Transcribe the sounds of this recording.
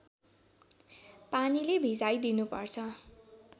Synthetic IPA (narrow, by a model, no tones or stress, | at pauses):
panilebʱid͡zajd̪inupʌ̰rt͡sʰʌ